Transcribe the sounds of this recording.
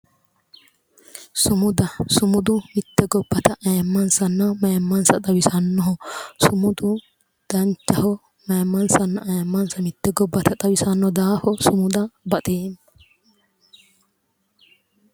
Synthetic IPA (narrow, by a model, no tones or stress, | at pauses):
sʊmʊd̪ɐsʊmʊd̪ʊmɪt̪ːɛɡɔbːɐt̪ɐʔɐjɐmːɐnsɐnːɐmɐjɐmːɐnsɐt̪ʼɐwɪsɐnːɔɦɔsʊmʊd̪ʊ | d̪̥ɐnt͡ʃːɐhɔ | mɐjmːɐnsɐnːɐʔɐjɐmːɐnsɐmɪt̪ːɛɡɔbːɐt̪ʰɐt̪ʼɐwɪsɐnːɔd̪aːhɔsʊmʊd̪ɐbɐt̪ʼeːn